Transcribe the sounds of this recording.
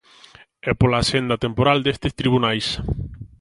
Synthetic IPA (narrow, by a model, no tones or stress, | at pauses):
ɛpolaːsend̪at̪empoɾald̪est̪est̪ɾiβ̞unajs